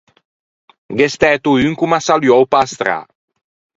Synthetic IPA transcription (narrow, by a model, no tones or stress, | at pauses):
ɡest̪ɛt̪uyŋkumasaljɔwpast̪ɾa̰